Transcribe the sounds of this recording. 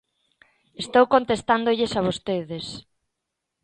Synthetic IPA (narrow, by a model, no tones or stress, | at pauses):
est̪owkont̪est̪and̪oʎɪsaβ̞ost̪eðɪs